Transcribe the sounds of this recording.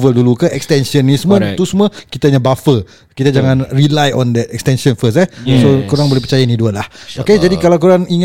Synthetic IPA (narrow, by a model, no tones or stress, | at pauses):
vəldulukəʔɛkst̪ɛnsiɔnismə̃nt̪usuməkit̪aɲabafə | kit̪ad͡ʒaŋãnrilajɔ̃nd̪ɛt̪̚ɛkst̪ɛnsɔnfəsɛsokuɾaŋbolɛehpət͡ʃajainiduəlahoked͡ʒadikalakuɾaŋiŋ